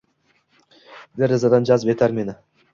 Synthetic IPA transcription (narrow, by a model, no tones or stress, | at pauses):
d̪eɾezad̪ɑnd͡ʒɑzpet̪æɾmenɪ